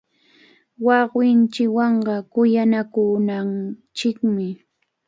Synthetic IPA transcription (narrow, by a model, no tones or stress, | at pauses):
wɑχwɪnt͡ʃɪwɑɴɢɑkʊjanakʊnant͡ʃɪkmɪ